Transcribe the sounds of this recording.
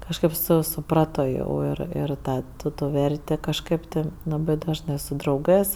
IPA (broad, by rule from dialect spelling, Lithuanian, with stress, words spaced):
kɐʃˈkɐɪp ˈsʊ sʊˈprɑːtoː jɛʊ ˈɪr ɪr ˈtɑː ˈtʊ ˈtuː ˈʋʲɛrʲtʲeː ˈkɑːʃkɜp tʲɪ ˈlˠɑːbɜ dɐʒˈnɜ sʊ drɐʊˈɡɜs